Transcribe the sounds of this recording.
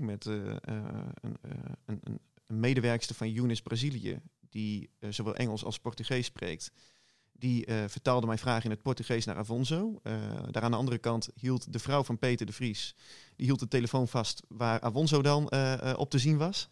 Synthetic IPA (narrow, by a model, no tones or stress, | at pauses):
mɛt | nən | mejdəʋɛɹkstəvɑnjunɪsbrazilijə̰d̥izowʋɛlˠʔɛ̰ŋəlˠsɑ̰lˠspɔɹtyχejsːprḛːk̚t | d̥ivəɹtaːlˠdəmɛjfraːχɪnət̚pɔɹtyχejsna̰ːʔa̰vɔnzowdaːɾaːndəɑndərəkɑntɦilˠtdəvrɔwvɑnpeːtəɹdəfrisdiɦilˠt̚dəteləfownvɑstʋaːrʔa̰ːvɔnzowdɑnʔɔ̰p̚təzinʋɑs